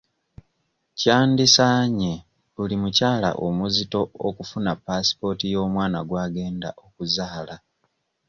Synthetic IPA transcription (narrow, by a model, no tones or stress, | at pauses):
caːndisaɲe | βulimucaːla̰ʔomuzito̞okufunapːasi̥po̞ːtijo̞ːmwaːnaɡwaːɡe̞ːnda̰ʔo̞kuzaːla